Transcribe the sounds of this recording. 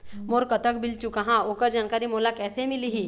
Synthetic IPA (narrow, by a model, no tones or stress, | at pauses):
moːɾkət̪əkbɪlt͡ʃukaɦãokəɾd͡ʒaːnkaːɾimoːlakɛːsemɪliɦi